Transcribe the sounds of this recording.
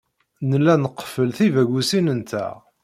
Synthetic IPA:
nəlːænəqːfəlθivæɡʷusinənt̪æ̰

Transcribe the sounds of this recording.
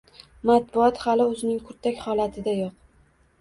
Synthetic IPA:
mat̪̚bʊɒt̪halɪɵzɪnɪŋkʰʊɾt̪ʰakʲhɒlat̪ʰɪd̪ajoq

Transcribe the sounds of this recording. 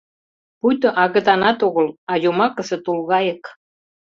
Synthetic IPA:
pujt̪ɤ̆ʔɑɣə̆t̪ɑnɑt̪oɣəlɑjomɑkəsĕt̪ulɣɑjə̆k

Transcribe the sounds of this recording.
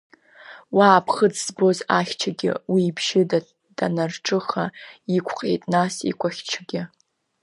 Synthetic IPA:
waːpʰχəd͡zzbo̞zaχʲt͡ʃʰaɡʲɪ̰wiːbʒɪd | d̥anarʈ͡ʂʼɨχaikʷʰqʼḛjtʼnasḭkʷʼaχʲt͡ʃʰɡʲɪ

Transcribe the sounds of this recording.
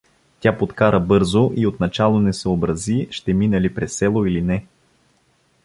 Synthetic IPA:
t̪ʲjapot̪kaɾəbɤɾzoʔiot̪nɐt͡ʃalˠonɛsɛobɾɐziʃt̪ɛminɛlipɾɛsːɛlˠoilinɛ

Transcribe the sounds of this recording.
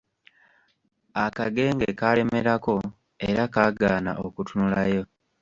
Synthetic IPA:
akaɡe̞ːŋɡekale̞me̞ɾako̞ | eɾakaɡaːna̰ʔokutunulajo̞

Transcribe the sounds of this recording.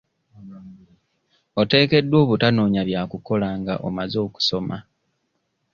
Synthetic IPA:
o̞te̞ːke̞dːwo̞ːβutano̞ːɲaβjaːkuko̞laːŋɡa̰ʔo̰mazo̞ːku̥so̞ma

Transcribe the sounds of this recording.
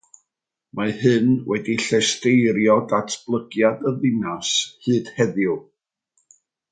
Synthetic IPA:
mahɨnwɛdiɬɛstejɾjɔdatʰb̥lˠəɡjadəðɪnashɨːd̥hɛðjʊ

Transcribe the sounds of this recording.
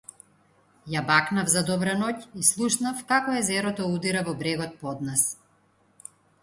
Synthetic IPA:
jabaknavzad̪ɔbɾanɔcislˠuʃnafkakɔɛzɛɾɔt̪ɔud̪iɾavɔbɾɛɡɔt̪̚pɔd̪nas

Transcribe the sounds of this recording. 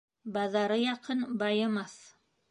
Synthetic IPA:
bɑðɑɾɤjɑqʰɤnbɑjɤ̆mɑθ

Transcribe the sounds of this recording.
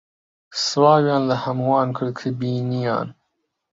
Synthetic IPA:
swɑːwjɑːnlahamwɑːnkʰəɽkʰəbinijɑ̰n

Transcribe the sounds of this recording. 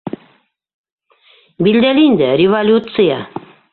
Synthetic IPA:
bild̪elinʲd̪əɾʲivolʲut̪sɨja̰

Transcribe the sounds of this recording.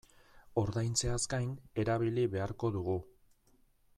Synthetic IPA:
o̞ɾðajnt͡se̞askajne̞ɾaβ̞iliβe̞aɾko̞ðuɣ̞u

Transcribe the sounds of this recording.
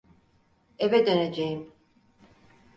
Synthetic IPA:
evɛd̪øned͡ʒejim

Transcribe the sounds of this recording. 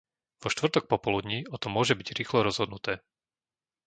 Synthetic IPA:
ʋɔʃt̪ʋr̩t̪ɔk̚pɔpɔlud̪ɲiːɔt̪ɔmʊɔʒɛbiɟɾiːxlɔɾɔzɦɔd̪nut̪ɛː

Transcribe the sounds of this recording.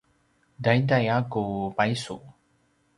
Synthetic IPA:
dajdajakupajsu

